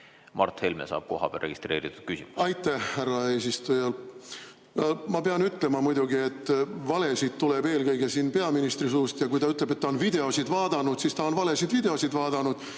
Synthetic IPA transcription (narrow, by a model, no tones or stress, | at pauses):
mɑ̰rt̪he̞lmḛsɑ̰ːb̥̚ko̞̰ɦɑ̰b̥ḛlrːeɡist̪re̞ːɾit̪ːˑud̪̥kysimuɑjt̪ːæhhærːɑe̞ːsist̪ujɑl | ɑmɑpeɑnyt̪ːˑle̞mɑmujd̪̥uɡie̞t̪ːˑvɑle̞sid̪t̪ːule̞be̞ːlkɤjɡ̥esinpe̞ɑminist̪risuːst̪jɑkujt̪ɑyt̪ːˑleb̥e̞t̪ːɑonvid̪e̞o̞sid̪vɑːd̪̥ɑnud̪sist̪ɑo̞nvɑle̞sid̪vid̪e̞o̞sid̪vɑːd̪ɑnud̪̥